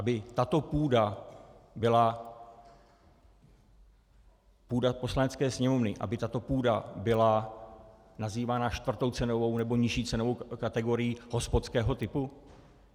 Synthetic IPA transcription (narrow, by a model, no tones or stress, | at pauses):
ʔabɪt̪at̪o̞puːda | bɪla | puːdapo̞slanɛt͡skɛːsɲɛmo̞vnɪʔa̰bɪt̪at̪o̞puːdabɪla | naziːvaːnaʃt̪vr̩t̪o̞wt͡sɛno̞vo̞wnɛbo̞ɲɪʃiːt͡sɛnovo̞wkat̪ɛɡo̞ɾɪjiɦo̞spot̪t͡skɛːɦo̞t̪ɪpu